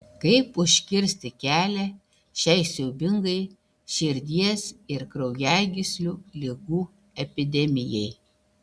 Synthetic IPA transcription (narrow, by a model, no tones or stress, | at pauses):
kɐɪpʊʃʲkʲɪɾʲsʲt̪ʲɪkʲæːlʲɛ | ʃʲɛɪsʲɛʊbʲɪŋɡɐɪ | ʃʲɪɾʲd̪ʲiɛsɪɾkɾɐʊjæˑɡʲɪsʲlʲuːlʲɪɡuː | ɛpʲɪd̪ʲɛmʲɪjɛɪ